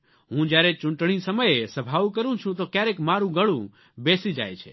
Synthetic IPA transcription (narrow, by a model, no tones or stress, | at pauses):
ɦũd͡ʒjaɾet͡ʃũɳʈɳ̃isəməjesəbʱaʋkəɾũt͡ʃʰũt̪okjaɾekmaɾũɡəɭũ | besid͡ʒa̰jt͡ʃʰḛ